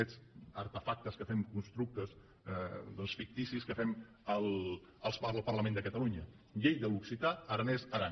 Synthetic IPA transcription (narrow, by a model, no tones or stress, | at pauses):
ɛzəɾt̪əfak̚t̪əskəfɛmkunst̪ɾuk̚t̪əz | d̪əlˠsfik̚t̪isiskəfɛm | əlˠ | əlˠspəəlˠpərləmẽnd̪əkət̪əluɲə | ʎejðəluksit̪at̪əɾnɛzəɾa